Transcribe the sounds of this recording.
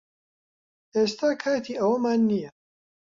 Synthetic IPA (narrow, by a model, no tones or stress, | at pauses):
ʔeːst̪ʰaːkʰaːt̪ʰiːɐwɐmaːnːijɐ